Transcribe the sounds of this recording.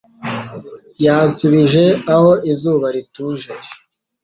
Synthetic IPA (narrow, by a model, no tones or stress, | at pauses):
jaːnt͡siβiʒe̞ahoizuːβaɾituːʒeɾ